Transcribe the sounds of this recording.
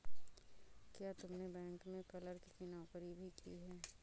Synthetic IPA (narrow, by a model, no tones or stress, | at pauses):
kjaːt̪ʊmnebɛ̃ːŋkmẽkɐləɾkikinɔːkəɾibʱikʰḭɦɛː